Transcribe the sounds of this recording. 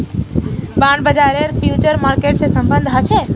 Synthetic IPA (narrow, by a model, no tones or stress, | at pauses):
bãɳɖbəd͡ʒaɾeɾfjut͡ʃəɾmaɾkeʈsẽsə̃mbənd̪ʱɦət͡ʃʰe